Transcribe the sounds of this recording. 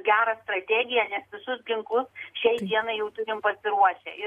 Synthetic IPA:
ɡʲæːɾɐst̪ɾɐt̪ʲæːɡʲɪjɛnʲɛsʋʲɪsʊsɡʲɪŋkˠʊsʃʲɛɪd̪ʲiɛnɐɪjɛʊt̪ʊɾʲɪmpɐsʲɪɾuɔʃʲɛ̰ʔɪ

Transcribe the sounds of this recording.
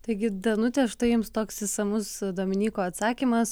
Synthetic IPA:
t̪ɐɪɡʲɪd̪ɐnʊt̪ʲɛːʃt̪ɐjɪmst̪oːksɪsɐmʊsd̪oːmʲɪnʲiːkoːɐt̪sɑːkʲiːmɐs

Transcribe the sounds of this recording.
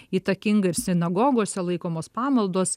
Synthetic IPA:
iːt̪ɐkʲɪŋɡɐɪɾsʲɪnɐɡoːɡoːsʲɛlˠɐɪkoːmoːspɑːmɐlˠd̪oːs

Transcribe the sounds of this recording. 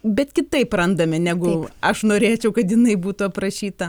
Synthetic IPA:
bʲɛt̪kʲɪt̪ɐɪprɐnd̪ɐmʲɪnʲæːɡʊɐʃnoːɾʲeːt͡ʃʲɛʊkɐt̪jɪnɐɪbuːt̪ʊɐpɾɐʃʲiːt̪ɐ

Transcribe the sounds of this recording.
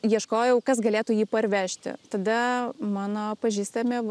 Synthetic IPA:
jiɛʃkoːjɛʊkɐsɡɐlʲeːt̪uːjiːpɐɾʲʋʲæːʃʲt̪ʲɪ̰t̪ɐd̪ɐmɑːnoːpɐʒʲiːst̪ɐmʲɪ

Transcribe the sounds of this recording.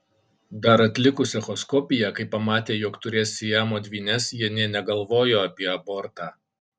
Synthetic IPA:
d̪ɐɾɐt̪ʲlʲɪkʊsʲɛxɔskɔpʲɪjɛkɐɪpːɐmɑːt̪ʲeːjoːkt̪ʊɾʲeːsʲɪjæmoːd̪ʲʋʲiːnʲɛsjiɛnʲeɛnʲɛɡɐlˠʋoːjoːɐpʲiɛɐbɔːɾt̪ɑː

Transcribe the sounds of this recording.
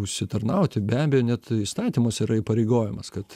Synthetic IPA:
ʊʃʲsʲɪt̪ɐɾnɐʊt̪ʲɪbʲæːbʲɛjoːnʲɛt̪iːst̪ɑːt̪ʲiːmoːsʲiɾɐiːpɐɾʲɛɪɡoːjɛmɐskɐt̪

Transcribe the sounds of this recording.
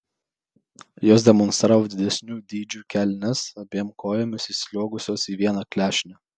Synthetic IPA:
joːsʲd̪ʲɛmɔnst̪ɾɑːʋod̪ʲɪd̪ʲɛsʲnʲuːd̪ʲiːd͡ʒʲuːkʲælʲnʲɛsɐbʲiɛmkoːjɛmʲʊsiːsʲlʲoɔɡʊsʲoːsiːʋʲiɛnɑklʲæːʃʲnʲɛ

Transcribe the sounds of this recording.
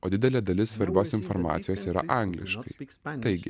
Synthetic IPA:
oːd̪ʲɪd̪ʲɛlʲeːd̪ɐlʲɪssʋɐɾʲbʲoːsɪnfoɾmɑ̰ːt̪sʲɪjoːsiːɾɐ̰ʔɑˑŋɡlʲɪ̰ʃkɐɪt̪ɐɪɡʲɪ̰

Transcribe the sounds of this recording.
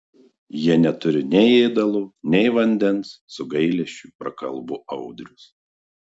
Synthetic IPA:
jiɛnʲɛt̪ʊɾʲɪnʲɛɪeɪd̪ɐlˠuːnʲɛɪʋɐnʲd̪ʲɛnsːʊɡɐɪlʲɛʃʲt͡ʃʲupɾɐkɐlˠbʊʔɐʊd̪ʲɾʲʊs

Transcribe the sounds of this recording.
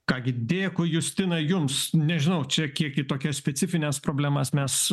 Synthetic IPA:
kɑːɡʲɪd̪ʲeːkʊjʊsʲt̪ʲɪnɐjʊmsnʲɛʒʲɪnɐʊt͡ʃʲɛkʲiɛkit̪oːkʲɛsʲpʲɛt͡ssʲɪfʲɪnʲɛspɾoːbʲlʲæmɐsmʲɛs

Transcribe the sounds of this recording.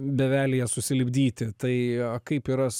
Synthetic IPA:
bʲɛʋʲæːlʲɪjɛsʊsʲɪlʲɪbʲd̪ʲiːt̪ʲɪt̪ɐɪɐkɐɪpiːɾɐ

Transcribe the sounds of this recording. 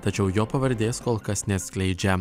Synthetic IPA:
t̪ɐt͡ʃʲɛʊjoːpɐʋɐɾʲd̪ʲeːskoːlˠkɐsnʲɛsʲklʲɛɪd͡ʒʲɛ

